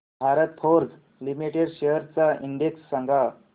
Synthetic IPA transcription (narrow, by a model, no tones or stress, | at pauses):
bʱaɾət̪̚pʰoɾd͡z | limiʈeɽɕeɦəɾt͡saiɳɖeksːə̃ŋɡʱa